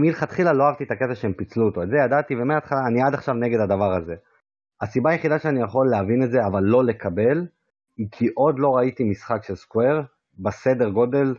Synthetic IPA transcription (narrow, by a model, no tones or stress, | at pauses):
milχat̪χilalo̞aavt̪iet̪aket̪aʃeempit͡sluot̪o̞ezejad̪at̪ivemeaːt̪χalaːniad̪aχʃavne̞ɡe̞d̪ad̪avaʁaze̞ | asibaːjeχid̪aʃeanijaχo̞lːeavinetze̞avalːo̞le̞kʰabe̞l | kʰiʔo̞d̪lo̞ʁait̪imisχakʃe̞lskwe̞ʁ | bese̞d̪e̞ʁɡo̞d̪e̞l